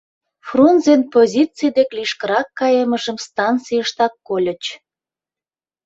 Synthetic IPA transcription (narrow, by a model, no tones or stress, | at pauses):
frunzenpozʲit͡sijd̪ekliʃkəɾɑkːɑjeməʒəmst̪ɑnt͡sijəʃt̪ɑkːolʲə̆t͡ɕ